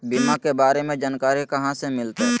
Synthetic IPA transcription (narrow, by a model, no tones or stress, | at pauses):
bɪmãkebaːɾemẽd͡ʒaːnkaːɾikɐɦãsemɪlt̪e